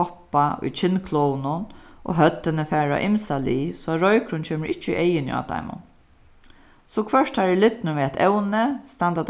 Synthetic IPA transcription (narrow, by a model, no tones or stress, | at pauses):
ɔpːaʔʊ̰jt͡ʃʰɪnːkʰloːwnʊnʔo̰ɦœt̪ːɪnəfæːɹa̰ʔɪmsaliːsɔaɾɔjkɾʊnt͡ʃʰeːmɪɾɪt͡ʃːṵʔejɪnj̰a̰ːt̪a̰jmʊ̰n | sɔkʰʋœʂt̪haɹɛlɪt̪nʊʋiːat̪ʰɛ̰wnəst̪and̪at̪